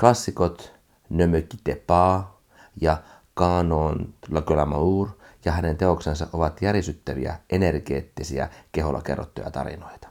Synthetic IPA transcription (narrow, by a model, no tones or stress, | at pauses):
klɑsːikot̪ | nømøkːi̥t̪epɑː | jɑ | kɑːnoːnlɑkølæmɑuːrjɑɦænent̪eoksensɑʔʔoʋɑt̪jærjesyt̪ːæʋḭæ̰ʔenerɡ̥eːt̪ːisiæ̰keɦolːɑkḛrːo̰t̪ːo̰jɑ̰t̪ɑ̰rḭno̞it̪ɑ̥